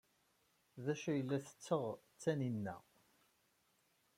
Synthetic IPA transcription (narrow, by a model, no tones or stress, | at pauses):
ðæʃæjəlːæθə̥t͡sːəʁ | t͡sːæninːæ̰